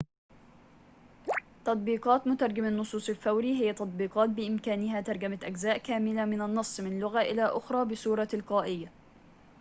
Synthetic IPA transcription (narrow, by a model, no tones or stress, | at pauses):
t̪ɑt̪ˤbiːqɑːt̪mʊt̪ɑɾˤɡamanːʊsˤuːsˤɪlfawɾiːɦɪjːat̪ɑt̪ˤbiːqɑːt̪̚bɪʔɪmkaːnɪɦaːt̪ɑɾˤɡamaʔaɡzaːʔkaːmɪlamɪnanːɑsˤːmɪnlːʊɣaʔɪ̰laʔʊxɾˤɑːbɪsuːɾˤɑlqɑːʔɪjːa